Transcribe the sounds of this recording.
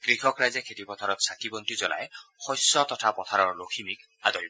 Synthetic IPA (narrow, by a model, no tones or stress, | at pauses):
ɡ̥ɾikʰɔkɾajzɛkʰet̪ipɔt̪ʰaɾɔt̪̚sʰatibɔnt̪izɔla̰exɔjsːɔt̪ɔtʰapɔt̪ʰaɾɔɹlokʰimik | ad̪ɔj